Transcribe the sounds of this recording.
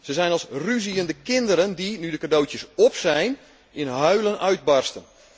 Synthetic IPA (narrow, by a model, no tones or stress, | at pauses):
səzɛjnɑlˠsryziəndəkɪndəɾəndinydəkadowtjəsɔpsɛjn | ɪnɦœɥlənʔœɥd̚bɑrstən